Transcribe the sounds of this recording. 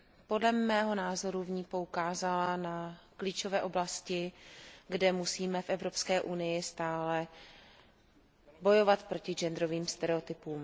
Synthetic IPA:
po̞dlɛmːɛːɦo̞naːzo̞ɾuvɲiːpo̞ukaːzalanakliːt͡ʃo̞vɛːʔo̞blascɪɡdɛmusiːmɛfʔɛvɾo̞pskɛːʔunɪjɪst̪aːlɛ | bo̞jo̞vat̪pɾo̞cɪd͡ʒɛnd̪ɾo̞viːmst̪ɛɾɛot̪ɪpuːm

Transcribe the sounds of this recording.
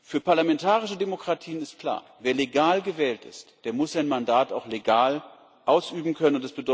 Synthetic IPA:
fyːɐpaɐlamɛntʰaːʁɪʃədemokʁ̥atʰiːənɪst̚kʰl̥a̰ːɐveːɐleɡaːlɡəvɛːltɪ̰std̥eːɐmʊsz̥aɪnmandaːtaʊxleɡaːl | ʔaʊsʔyːbm̩kʰœnənʊntɛsb̥ədɔ

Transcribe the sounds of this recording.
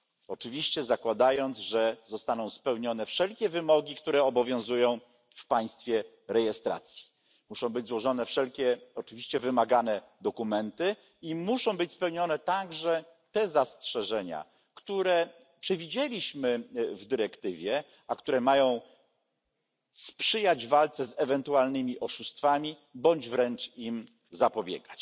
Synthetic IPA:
ɔt͡ʂɘvʲiɕt͡ɕɛzakwad̪ajɔnd̪zʐɛzɔst̪anɔ̃w̃spɛwɲɔnɛfʂɛlkʲɛvɘmɔɡʲikt̪uɾɛɔbɔvʲjɔ̃w̃zujɔ̃w̃ | fpaj̃st̪fʲjɛ | ɾɛjɛst̪ɾa̰t̪sʲji̥ | muʂɔ̃w̃bɘd͡ʑzwɔʐɔnɛfʂɛlkʲɛɔt͡ʂɘvʲiɕt͡ɕɛvɘmaɡanɛd̪ɔkumɛnt̪ɘ | imuʂɔ̃w̃bɘt͡ɕspɛwɲɔnɛt̪aɡʐɛ | t̪ɛzastʂɛʐɛɲa̰ | kt̪uɾɛ | pʂɛvʲid͡ʑelʲiɕmɘvd̪ɘɾɛkt̪ɘvʲjɛ | ʔakt̪uɾɛmajɔ̃w̃ | spʂɘjad͡ʑvalt̪sɛzɛvɛnt̪ualnɘmʲiʔɔʂust̪famʲi | bɔɲd͡ʑvɾɛnt͡ʂim | zapɔbʲjɛ̰ɡat͡ɕ

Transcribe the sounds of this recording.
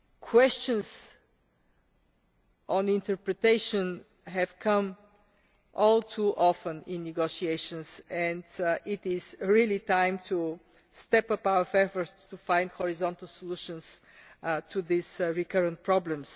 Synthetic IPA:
kʰwɛst͡ʃə̃nz | ʔɔ̃nɪ̃nt̪əɹpɹɛt̪eɪʃə̃n | ɦɛv̥kʰʌ̃m | ʔɔlˠtʰuʔɔfə̃nɪ̃nːɪɡoʃieɪʃə̃nsɛ̃ndɪtɪz̥ɹilˠitãɪ̃mtʰu | st̪ɛpʌpaʊəfɛfə˞tst̪ufãɪ̃ndhɔɹizɔ̃nt̪əlˠsɔluʃə̃ns | tʰuðizɹikəɹə̃nt̚pʰɹɔblə̃ms

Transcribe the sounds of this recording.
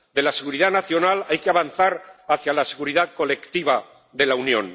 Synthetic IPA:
d̪e̞lase̞ɣuɾiðanaθjo̞nalajkeaβanθaɾaθjalaseɣuɾiðaðko̞le̞kt̪iβa | ðe̞launjõ̞̰n

